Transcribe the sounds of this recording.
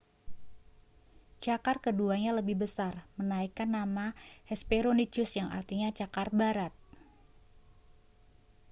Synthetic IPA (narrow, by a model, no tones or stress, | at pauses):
t͡ʃakarkəduaɲaləbɪhbəsarmənaikanːamahɛspeɾonit͡ʃʊsjaŋa̰rt̪iɲat͡ʃakarbaɾat̪̚